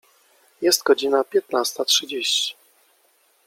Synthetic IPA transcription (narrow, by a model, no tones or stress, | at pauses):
jɛst̪ɡɔd͡ʑinapʲjɛt̪nast̪atʂɘd͡ʑeɕt͡ɕi̥